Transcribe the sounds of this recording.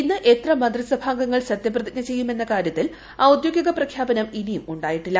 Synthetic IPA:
inːɨʔe̞t̪rɐmɐnd̪risɐbʱaːŋɡɐŋːɐɭɕɐt̪jɐprɐðikʲnɐt͡ɕe̞jːume̞nːɐkaːɾjɐt̪ːil | aːud̪joɡjɐɣɐprɐkʰjaːbɐnɐminijumuɳɖaːjiʈːilːɐ

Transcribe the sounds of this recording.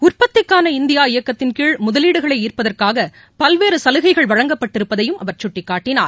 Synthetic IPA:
ʊrpɐt̪ːɪkːaːnɐɪnd̪ɪjaːɪjɐkːɐt̪ːɪnkiːɭmʊðɐliːɽɯɣɐɭɐɪiːrpɐðɐrkaːɣɐ | pɐlʋeːɾɯsɐlɯɣɐɪɣɐɭʋɐɻɐŋɡɐpːɐʈːɪɾɯpːɐðɐjɯmʔɐʋɐɾt͡ʃʊʈːɪkːaːʈːɪna̰ːɾ

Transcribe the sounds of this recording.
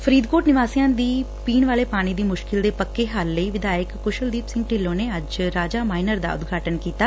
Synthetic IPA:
pʰəɾiːd̪koːʈnɪʋaːsijãːd̪iː | piːnʋaːleːpaːɽ̃iːd̪iːmʊʃkɪld̪eːpəkːeːɦalːəiːʋɪd̪aːjəkːʊʃəld̪iːpsɪ̃ŋɡ̚ʈɪlːõːneːəd͡ʒɾaːd͡ʒaːmaːɪnəɾd̪a̰ːʊ̰d̪ɡʱaːʈənkiːt̪aː

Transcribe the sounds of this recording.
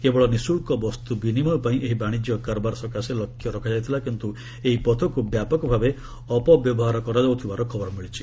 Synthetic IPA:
kebɔɭɔnisuɭkɔbɔst̪ubinimɔpaĩʔeɦibaɽ̃id͡ʒjɔkaɾbaɾsɔkaselɔkʰːjɔɾɔkʰad͡ʒajt̪ʰilakint̪u | eipɔt̪ʰɔkubjapɔkɔbʱabe | ɔpɔbjɔbɔɦaɾɔkɔɾad͡ʒawt̪ʰibaɾɔkʰɔbɔɾɔmiɭit͡ʃʰi̥

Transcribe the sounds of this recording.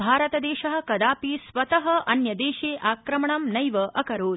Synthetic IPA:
bʱaːɾɐt̪ɐd̪eːʃɐɦɐ̆kɐd̪aːpiːsʋɐt̪ɐɦɐ̆ʔɐnjɐd̪eːʃeːʔaːkɾɐmɐɳɐmnɐjʋɐʔɐkɐɾoː

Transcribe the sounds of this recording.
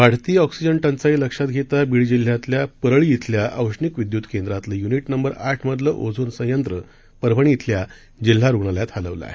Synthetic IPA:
ʋaɽ̤t̪iːɔksid͡ʑəɳʈənt͡sailəkʂat̪ɡʱet̪abiɽd͡ʑil̤ːjat̪ljapəɾəɭijit̪ʰljaʔə̰ʋʂɳikʋid̪jud̪kend̪ɾat̪ləjuniʈnəmbəɾaʈʰməd̪ləʔo̰d͡zʱuːnsə̃jənt̪ɾə | pəɾbʱəɳ̃iit̪ʰlja | d͡ʑil̤ːaɾuɡɳaljat̪halə̰ʋla̰

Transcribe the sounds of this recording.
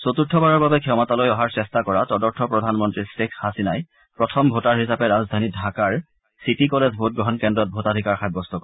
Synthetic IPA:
sotutʰːɔbaɹɔɹbabɛkʰɛmatalojɔɦaɹsɛstakɔɹatɔdɔɹtʰɔpɹɔdʱanmɔntɹisekhasinaj | pɹɔtʰɔmbʱotaɹɦisapɛɹazdʱanidʱakaɹ | sitikɔlezbʱot̚ɡɹɔɦɔnkɛndɹɔt̚bʱotadʱikaɹxajbɔstɔkɔ

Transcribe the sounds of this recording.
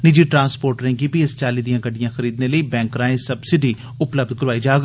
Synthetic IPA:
nɪd͡ʒiːʈɾãːnspoːɾʈɾɛ̃ŋkipiɪst͡ʃaːliːd̪ijãːɡəɖijãːxʰəɾiːd̪neləiːbɛ̃ːŋkɾãːẽsəbsɪɖiː | ʊpləb̚d̪̚kəɾʋaːiːd͡ʒaːɡ

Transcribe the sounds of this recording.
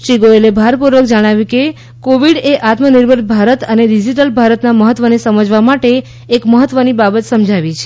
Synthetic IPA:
t͡ʃiɡoelebʱaɾpuɾʋəkd͡ʒəɽ̃aʋjũke | koʋiɽeʔat̪məniɾbʱəɾbʱaɾət̪əneɖid͡ʒiʈ̬əlbʱaɾət̪naməɦət̪ʋənesəməd͡ʒʋamaʈeː | kməɦət̪ːʋənibabət̪səmd͡ʒʱaʋit͡ʃʰe̥

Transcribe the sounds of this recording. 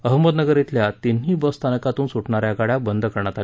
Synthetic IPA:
əɦməd̪nəɡəɾit̪ljat̪inɦiːbəst̪ʰanəkat̪uːnsuʈɳaɾjaɡaɽjabənd̪ʱəkəɾɳ̃at̪al

